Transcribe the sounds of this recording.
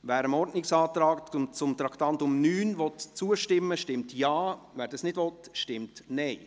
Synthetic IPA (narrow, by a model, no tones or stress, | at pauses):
ʋæːɾəmɔɾdnɪksɑːt̪ɾɑːktʊt͡sʊmt̪ɾɑkt̪ɑntʊmnyːnʋɔtt͡suəʃtɪmːəʃtɪmtjɑː | ʋæːɾdɑsnɪdʋɔtʃtɪmtnɛɪ